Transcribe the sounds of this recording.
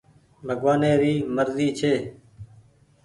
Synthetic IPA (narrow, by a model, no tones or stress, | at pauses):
bʱəɡʋaːneːɾiːməɾziːt͡ʃʰeː